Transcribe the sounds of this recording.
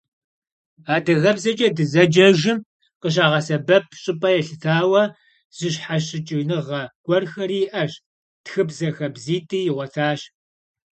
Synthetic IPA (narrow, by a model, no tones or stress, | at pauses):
aːdɐɣɐbzɐt͡ʃʼɐdɨzɐd͡ʒɐʒɪm | qəɕ̬aːʁɐsɐbɐp̚ʰɕʼɪpʼɐjɛɬɨtʰaːwɐ | z̥ɨɕħaɕɪt͡ʃʼɪnɨʁɐɡ̥ʷʼɔrxɐɾiːʔɐɕ | txɨbzɐxɐbziːtʼiːjɪʁʷɔtʰaːɕ